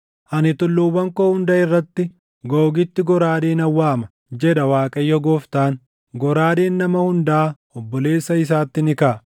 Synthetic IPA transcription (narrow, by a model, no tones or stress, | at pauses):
ʔɐnɪt̪ʊlːʊwɐŋkoːhʊnd̪ɐɪrːɐt̪ːɪ | ɡoːɡɪt̪ːɪɡɔɾaːd̪eːnɐwːaːmɐ | d͡ʒɛᶑɐwaːkʼɐjːɔɡoːft̪aːn | ɡɔɾaːd̪eːnːɐmɐhʊnd̪ɐː | ɔbːɔle̞ːsːɐɪs̬aːt̪ːɪnɪkaː